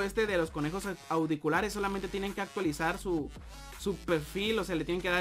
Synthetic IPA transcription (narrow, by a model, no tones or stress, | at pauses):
est̪e̞ðe̞lo̞sko̞nexo̞sawðikulaɾesːo̞lamẽnt̪e̞t̪jene̞ŋke̞ak̚t̪walisaɾsu | supe̞ɾfilo̞se̞alet̪jeneŋkeða